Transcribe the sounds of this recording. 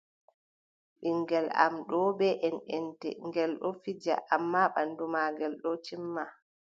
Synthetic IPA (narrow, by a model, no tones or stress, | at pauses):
ɓiŋɡɛla̰mɗɔbɛʔɛnʔɛntɛ̰ŋɡɛlɗɔfid͡ʒa̰ʔamːaɓandumaːɡɛlɗɔtimːa